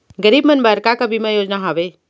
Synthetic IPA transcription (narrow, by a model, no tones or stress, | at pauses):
ɡəɾiːbmənbaɾkakabʱimãjoːd͡ʒnaɦaːʋe